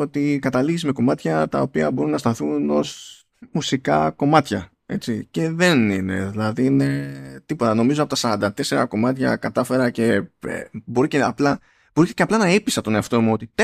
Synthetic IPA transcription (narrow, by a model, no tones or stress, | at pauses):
o̞t̪ikɐt̪ɐliʝizme̞ko̞mɐt̪çɐt̪ɐ̰o̞piɐbo̞ɾunɐst̪ɐθuno̞̰z | musikɐ̰ko̞mɐt̪çɐ | e̞t͡sice̞ðe̞nine̞̰ðilɐðine̞t̪ipo̞t̪ɐno̞mizoɐpo̞t̪ɐsɐɾɐnd̪ɐt̪e̞se̞ɾɐ̰ko̞mɐt̪çɐ̰kɐt̪ɐfe̞ɾɐce̞ḛbo̞ɾiceɐplɐ | b̥o̞ɾiceceɐplɐnɐipisɐt̪o̞neɐft̪o̞muo̞t̪it̪